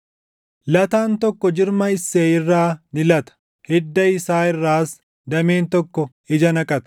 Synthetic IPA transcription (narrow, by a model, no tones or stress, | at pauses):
lɐt̪aːnt̪ɔkːɔd͡ʒɪɾmɐɪsːeːɪrːaːnɪlɐt̪ɐ̥ | hɛd̪ːɐɪsaːɪrːaːs | d̪ɐmeːnt̪ɔkːɔ | ɪd͡ʒɐnɐkʼɐt̪ɐ̥